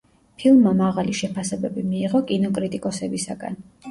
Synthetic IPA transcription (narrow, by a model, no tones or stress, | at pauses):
pʰilˠmːamaʁaliʃɛpʰasɛbɛbimiːʁɔkʼinɔkʼɾit̪ʼikʼɔsɛbisaɡa̰n